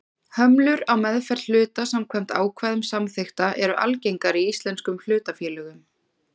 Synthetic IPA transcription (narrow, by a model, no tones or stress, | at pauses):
hœmlʏɾawmɛðfɛrt̪l̥ʏːt̪asamkʰvɛm̥t̪aːwkʰvaːjðʏmsamθext̪aʔɛɾʏʔa̰lcejŋkaɾiist̪lɛnskʏml̥ʏːt̪afjɛːlœːɣʏm